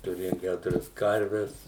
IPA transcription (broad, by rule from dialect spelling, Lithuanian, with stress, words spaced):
tʊˈrʲeːjoːm ˈkʲætʊrʲɛs ˈkɐrʲʋʲɛs